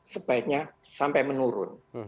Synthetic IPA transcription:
səb̥aɪk̪̚ɲasampajmənuɾʊ̰n

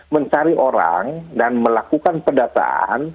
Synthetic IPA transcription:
məɲt͡ʃaɾiʔoɾa̰ŋdanməlakukanpədasa̰a̰n

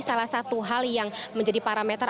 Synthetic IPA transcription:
salahsat̪uɦaljaŋməɲd͡ʒadipaɾamɛt̪ər

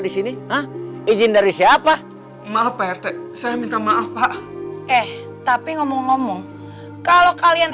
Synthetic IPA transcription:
disiniɦəhid͡ʒɪndaɾisiapa | maapaɛrt̪ɛsajamint̪amaʔapaʔɛh | t̪apiŋɔmɔŋːɔmɔŋ | kalokalian

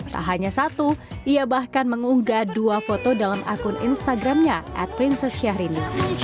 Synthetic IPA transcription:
t̪a̰ɦaɲasat̪uʔiabahkanməŋuŋɡaduafot̪odalamʔa̰kʊnḭnst̪aɡɾamɲaʔɛ̰t̪̚pɾinsɛsʃiaɦɾini

